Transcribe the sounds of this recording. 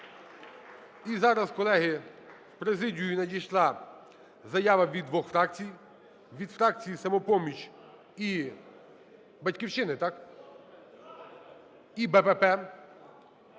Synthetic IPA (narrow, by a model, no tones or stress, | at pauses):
izɑɾɐskɔlˠɛɦɪspɾezɪdʲijʊnɐdʲijʃlˠɑ | zɐjɑʋɐʋʲid̪ʋɔxfɾɑk̚t͡sʲij | ʋʲid̪fɾɑk̚t͡sʲijisɐmɔpɔmʲit͡ʃʲ | i | bɐtʲkʲiwt͡ʃɪnɪt̪ɑk | ibɛpɛpɛ